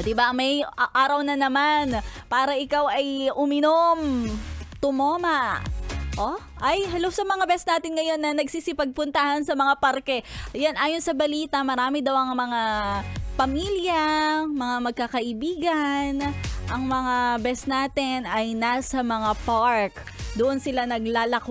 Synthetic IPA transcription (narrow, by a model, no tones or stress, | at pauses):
d̪ɪbaʔɐŋmɐjʔaːɾɐwnɐnɐmanpaːɾɐʔɪkawʔɐjʔʊmɪnom | t̪ʊmoːmɐ | ʔo | ʔɐjɦɐlowsɐmɐŋabɛsnaːt̪ɪnŋɐjo̞nːɐnɐɡsiːsɪpɐɡ̚pʊnt̪ahɐnsɐmɐŋapɐɾkɛjanʔaːjonsɐbɐliːt̪ɐmɐɾaːmɪd̪ɐwɐŋmɐŋapɐmiljɐmɐŋamɐɡ̚kɐkɐʔɪbiːɡɐnʔɐŋmɐŋabɛsnaːt̪ɪnɐjnasɐmɐŋapaɹk | d̪ʊʔonsɪlanɐɡlaːlɐk